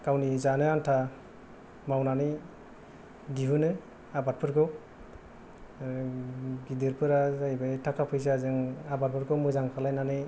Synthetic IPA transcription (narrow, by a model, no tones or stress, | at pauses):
kawnizanɯantʰa | mawnanɯj | diɦunɯ | abat̚pʰɯɾɡʰɯw | ɡidɯɾpʰɯɾazajbajtʰakʰapʰɯjs̬azɯŋabat̚pʰɯɾkɯwmɯzaŋkʰalajnanɯ